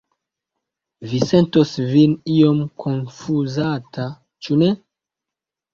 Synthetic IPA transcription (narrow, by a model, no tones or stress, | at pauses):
visentosviniomkʰonfuzatʰa | t͡ʃune